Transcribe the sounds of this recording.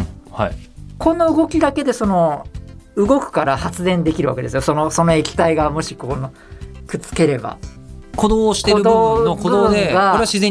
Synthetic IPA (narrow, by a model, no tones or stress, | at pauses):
haikʰõ̞nːoɯ̟ɡo̞kʲid̪ake̞d̪e̞so̞no̞ | ɯ̟ɡo̞kɯ̟̥kaɾahat͡sɨzẽ̞nd̪e̞kʲiɾɯ̟βa̰ke̞d̪e̞sɨjoso̞no̞so̞no̞e̞kʲi̥t̪aiɡamo̞ɕikono | kɯ̟t͡sɨ̥ke̞ɾe̞ba̰ | kʰod̪oːɕi̥k̪eɾɯd̪ookod̪od̪eɡaoɾeaɕizẽ